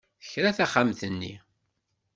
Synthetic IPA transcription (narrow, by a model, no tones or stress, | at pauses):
θəçɾæθæχamθənːḭ